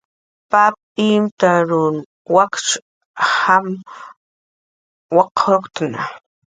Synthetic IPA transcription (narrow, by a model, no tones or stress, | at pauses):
pap̚ | imt̪aɾʊn | wakt͡ʃ | ham | waqokt̪na̰